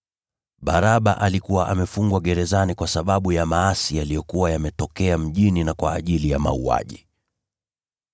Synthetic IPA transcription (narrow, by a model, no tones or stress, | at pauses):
ɓaɾaɓaʔalikuwaʔamɛfuŋɡwaɠɛɾɛzanikwasaɓaɓujamaasijalijɔkuwajamɛtɔkɛam̩ʄininakwaːʄilijama̰ua̰ʄi